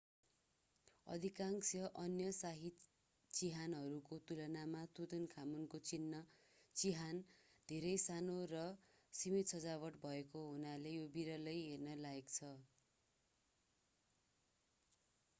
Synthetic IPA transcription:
ʌ̰d̪ʱikaŋksjʌʔʌnjʌsaɦit̪ | t͡siɦanɦʌɾukot̪ulʌnamat̪ud̪ʌnkʰamunkot͡sinːʌ | t͡siɦand̪ʱeɾʌjsanorʌ | simit̪sʌd͡zawʌʈbʱʌekoɦunalejobiɾʌlʌjɦernʌlaɦekt͡sʰʌ

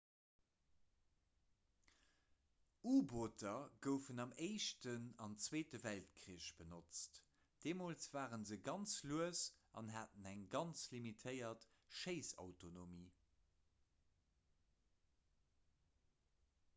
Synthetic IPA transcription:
uːboːtʰɐɡəʊfənɑmeɪʃtənɑnt͡sweːtəvælt̚kʰʁiːəʃb̥ənot͡st | d̥eːmoːlsv̥aːʁənzəɡɑnt͡sluəsɑ̰nɦaːtənæŋɡɑnt͡slimitʰəɪɐtʃeɪsɑ̰ʊtonomiː

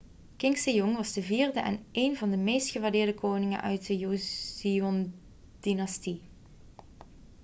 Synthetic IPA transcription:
kɪŋksəjʊŋʋɑzdəviːrdəʔɛ̰nʔeːnvɑndəmejstχəʋaɹdɪːɹdəkoːnɪŋə̰nʔœ̰ɥtəjuiɔn | d̥inɑsti

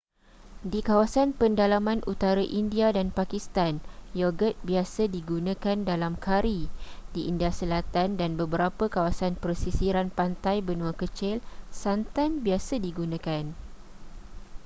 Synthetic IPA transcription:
dikawasanpəndalamãnʔut̪aɾaʔindiadanpakist̪anjɔɡət̪̚biasədiɡunãkandalamkʰaɾidiʔindiasəlat̪andanbəbəɾapəkawasanpərsisiɾanpant̪ajbənũəkət͡ʃɪlsant̪anbiasədiɡunãkan

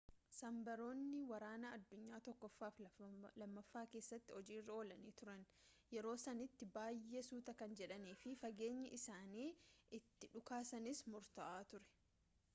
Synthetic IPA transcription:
sɐmbɐɾo̞ːnːɪwɐɾaːnɐɐd̪ːʊɲːaːt̪ɔkːɔfːaːflɐmːɐfːaːke̞ːsːɐt̪ːɪɔd͡ʒiːrːɐo̞ːlɐniːt̪ʊɾɐn | jɛɾo̞ːsɐnɪt̪ːɪbaːjːesuːt̪ɐkɐnd͡ʒɛᶑɐniːfɪfɐɡe̞ːɲːɐʔɪsaːniːʔɪt̪ːɪᶑʊkaːsɐnɪsmʊɾt̪ɐʔaːt̪ʊɾɛ̥

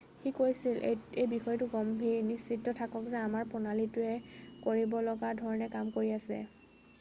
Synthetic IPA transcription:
xikojsilʔejbixɔjtʊɡɔmbʱinisːitːɔtʰakɔkzɛamaɹpʊnalitʊɛkoɹibɔlɔɡadʱɔɹɔnɛkamkoɹiasɛ̰

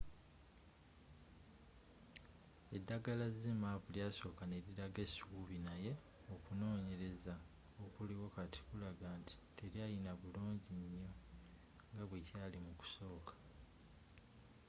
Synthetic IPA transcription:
e̞dːaɡalazimaβuljaso̞ːkane̞ɾiɾaɡe̞suːβinaje̞ | okuno̞ːɲe̞ɾe̞za | okuliwakati̥kulaɡaːnti̥tʰe̞ɾjajinaβuluːɲɟiɲːo̞ | ŋɡaβwecaːlimuku̥so̞ːkḁ

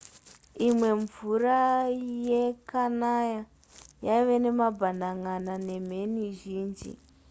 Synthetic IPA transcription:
imwe̞ɱvurajekanaja | jaiʋe̞ne̞mabʱandaŋanane̞m̤e̞niʒiːnd͡ʒḭ

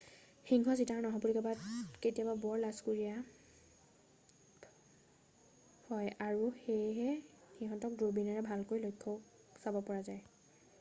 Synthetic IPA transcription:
xiŋɦɔzitaɹnɔɦɔ̃pulikɔbatketijababɔɹlaskuɹija | hɔjaɹuxejɦɛxiɦɔ̃ntɔk̚dobinaɹɛbʱalkojlojkʰːɔ | sabɔpɔɹazaj

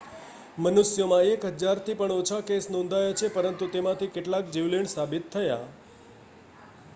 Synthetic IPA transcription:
mənusjəmãekɦəd͡ʒaɾt̪ʰipəɳot͡ʃʰakesnõnd̪ʱajat͡ʃʰepəɾənt̪ut̪emãt̪ʰikeʈlak̚d͡ʒiʋliɳsabit̪ʰːəja

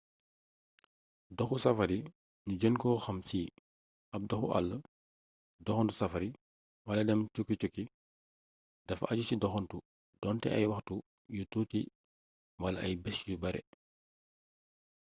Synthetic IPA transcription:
dɔxusɐfɐɾi | nuɟənkɔːxɐmsiː | ɐp̚dɔxṵʔa̰lːə | dɔxɔntusɐfɐɾi | wɐlɐdɛmt͡ʃukːit͡ʃukːi | dɐfɐ̰ɟusidɔxɔntu | d̥ɔntɛ̰ʔɐ̰jwɐxtu | jututi | wɐlɐʔɐjbɛsjubɐɾɛ̰

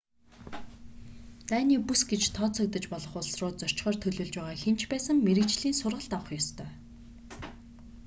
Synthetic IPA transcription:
t̪æːniːpusɡet͡ɕt̪ʰɔːt͡sʰɔ̆k̚t̪ə̆t͡ɕpɔɮɞ̆χʊɮsrʊːt͡sɔr̥t͡ɕχɔːrt̪ʰɵɮɵ̆ːɮt͡ɕpæːʁaːxen̥t͡ɕʰpæːsə̆ŋmeɾɘ̆kt͡ɕɮiːnsʊrʁə̆ɮt̪awə̆χjɔst̪ʰœː

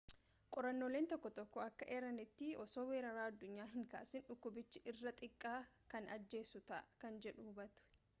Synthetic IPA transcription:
kʼɔɾɐnːoːleːnt̪ɔkːɔt̪ɔkːɔɐkːɐʔeːɾɐnɪt̪ːɪɔso̞ːweːɾɐɾaːɐd̪ːʊɲːaːɦɪŋka̰ːʔsɪnᶑʊkːʊbɪt͡ʃːɪʔɪrːɐt̪ʼɪkʼːaːkɐnɐd͡ʒːe̞ːsʊt̪ɐ̰kɐnd͡ʒɛᶑuːbɐt̪ʊ̥

